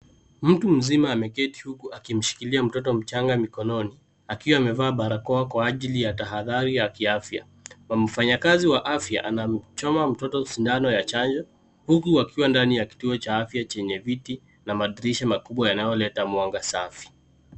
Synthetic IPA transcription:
m̩tum̩zimaːmɛkɛti̥hukuʔakim̩ʃi̥kiliam̩tɔt̬ɔm̩t͡ʃaŋɡamikɔnɔni | akiwaːmɛvaːɓaɾakɔakwaːʄilijataɦaðaɾiakiafja̰ | mam̩faɲakaziwaʔafja̰ʔanam̩t͡ʃɔmam̩tɔtɔsindanɔjat͡ʃand͡ʒɔ | hukuakiwandanijaki̥tuɔt͡ʃaafjat͡ʃɛɲɛviti | namaðiɾiʃamakuɓwajanajɔlɛtamwaŋɡasafi̥

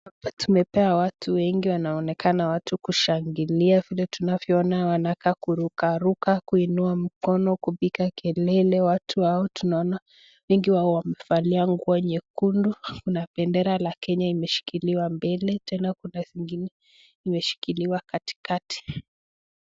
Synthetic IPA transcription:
atumɛpɛawatʰuwɛŋɡiwanaɔnɛkanawatʰukuʃaŋɡiliavilɛtunavjɔɔnawanakakuɾukaɾukakuinuam̩kɔnɔkupikakɛlɛlɛwatʰuwaɔtunaɔna | wɛŋɡiwaɔwamɛfaliaŋɡuaɲɛkundukunapɛndɛɾalakɛɲaimɛʃi̥kiliwambɛlɛtʰɛnakunaziŋɡinɛ | imɛʃi̥kiliwakati̥kati̥

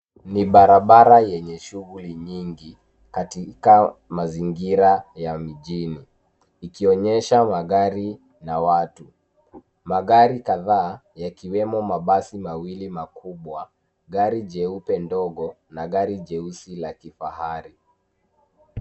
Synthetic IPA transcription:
niɓaɾaɓaɾajɛɲɛʃuɣuliɲiŋɡi | katikamaziŋɡiɾajamiʄiniː | kiɔɲɛʃamaɠaɾi | nawatu | maɠaɾikaðaːjakiwɛmɔmaɓasimawilimakuɓwa | ɠaɾiʄɛupɛndɔɠɔ | naɡaɾiʄɛusilakifahaɾi

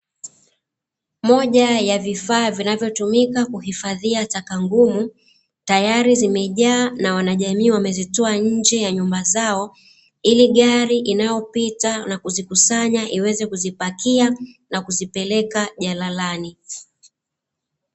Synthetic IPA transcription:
mɔʄajavifaːvinavjɔtumikakuhifaðiatakaŋɡumu | tajaɾizimɛʄaːnawanaʄamiːwamɛzitɔaɲ̩d͡ʒɛjaɲumbazaɔ | iliɠaɾiʔinajɔpitanakuzikusaɲaʔiwɛzɛkuzipakianakuzipɛlɛkaʄalalani

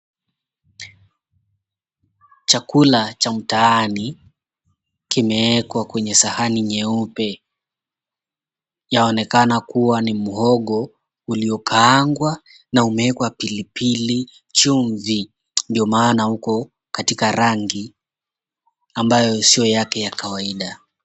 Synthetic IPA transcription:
t͡ʃakulat͡ʃam̩taːni | kimɛɛkwakwɛɲɛsahaniɲɛupɛ | jaɔnɛkanakuwanimuhɔɠɔ | uliɔkʰaːŋɡwa | naumɛɛkwapilipʰili | t͡ʃuɱvi | ndiɔmaːnahukɔ | katikaɾaŋɡi | ambajɔsijɔjakɛjakawaiɗa

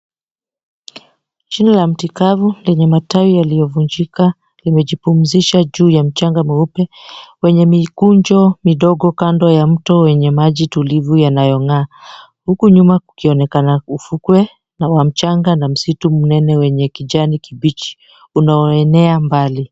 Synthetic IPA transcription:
t͡ʃinalam̩tikavulɛɲɛmataijalijɔvuɲd͡ʒika | limɛʄipum̩ziʃaʄuːjam̩t͡ʃaŋɡamuupɛwɛɲɛmikuɲd͡ʒɔmiɗɔɠɔkandwɔjam̩tɔwɛɲɛmaʄitulivujanajɔŋaː | hukuɲumaukiɔnɛkanaufukwɛ | nawam̩t͡ʃaŋɡanam̩situm̩nɛnɛwɛɲɛkiʄanikiɓit͡ʃi̥ | unaɔɛnɛambali

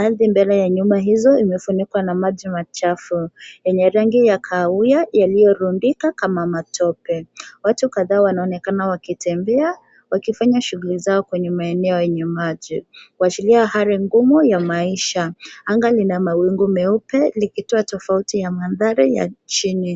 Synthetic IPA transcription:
aðimbɛlɛjaɲumaɦizɔimɛfunikwanamaʄimat͡ʃafujɛɲɛɾaŋɡijakʰaujajalijɔɾundikakamamatʰɔpɛwatukaðaːwanaɔnɛkanawakitɛmbɛa | wakifaɲaʃuɣulizaɔkwɛɲɛmaɛnɛɔjɛɲɛmaʄiwat͡ʃiliahaɾiŋɡumujamaiʃaaŋɡalinamawiŋɡumɛupɛlikituatɔfautijamanðaɾija̰t͡ʃini

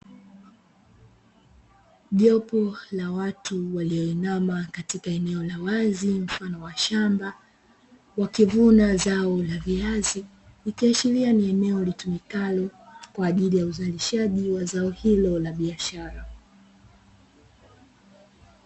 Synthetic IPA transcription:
ʄɔpɔlawatuwaliɔinamakatikaɛnɛɔlawazim̩fanɔwaʃamba | wakivunazaɔlaviazi | likiaʃiɾianiɛnɛɔlitumikalɔkwaːʄilijauzaliʃaʄiwazaɔhilɔlaɓiaʃaɾa

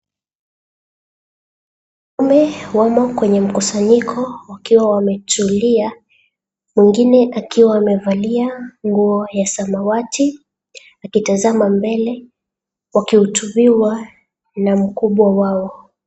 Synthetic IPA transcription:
umɛwamɔkwɛɲɛm̩kusaɲikʰɔwakiwawamɛtulia | mwiŋɡinɛʔakiwaːmɛvaliaŋɡuɔjasamawatʰi | akitazamambɛlɛ | wakihutuɓiwa | nam̩kuɓwawaɔ

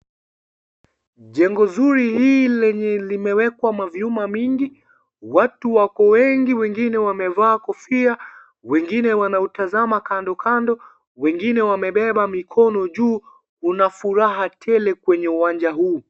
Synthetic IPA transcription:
ʄɛŋɡɔzuɾihiːlɛɲɛlimɛwɛkwamavjumamiŋɡi | watuwakɔwɛŋɡiwɛŋɡinɛwamɛvaːkɔfia | wɛŋɡinɛwanautazamakandɔkʰandɔ | wɛŋɡinɛwamɛɓɛɓamikʰɔnɔʄuː | unafuɾaɦatʰɛlɛkwɛɲɛuwand͡ʒaɦuː

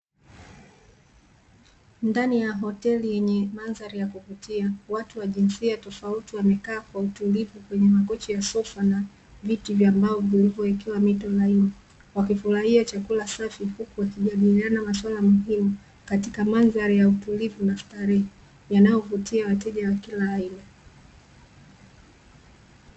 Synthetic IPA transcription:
ndanijaɦɔtɛlijɛɲɛmanzaɾajakuvutiawatuwaʄinsiatɔfautiwamɛkaːkwautulivukwɛɲɛmakɔt͡ʃɔjasɔfana | vitivjambaɔvilivɔɛkɛwamitɔlaina | wakifuɾahiat͡ʃakulasafihukuwakiʄaɗilianamaswalamuɦimu | katikamanzaɾajautulivunaftaɾɛ | janajɔvutiawatɛʄawakilaːina

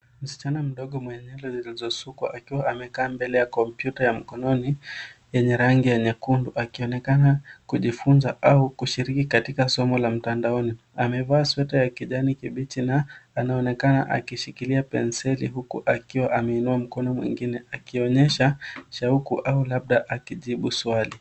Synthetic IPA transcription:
m̩si̥t͡ʃanam̩ɗɔɠɔmwɛɲɛlɛzilizɔsukwa̰ʔakiwaʔamɛkaːmbɛlɛjakɔmpjutajam̩kɔnɔnijɛɲɛɾaŋɡijɛɲɛkunduʔakiɔnɛkanakuʄifunzaʔaukuʃiɾikikatikasɔmɔlam̩tandaɔni | amɛvaːswɛtajakiʄanikiɓitinaːnaɔnɛkana̰ʔa̰kiʃikiliapɛ̰nsɛlḭɦukṵʔakiwaʔamɛinuam̩kɔnɔmwḭŋɡinɛakiɔɲɛʃaʃaukuʔaulaɓ̚ɗaʔakiʄiɓuswali

